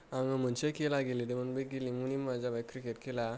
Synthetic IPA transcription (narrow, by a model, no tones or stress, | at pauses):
ãŋəm̤ənt͡ɕekelaɡelĩd̪emənbəɡelĩmuñimad͡zabajkɾikeʈkela